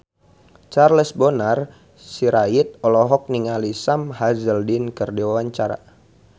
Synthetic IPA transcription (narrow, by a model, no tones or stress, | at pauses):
t͡ʃarləsbɔnar | siɾait̪̚ɔlɔɦɔk̚niŋalisamɦazəldinkərdiwawaɲt͡ʃaɾa̰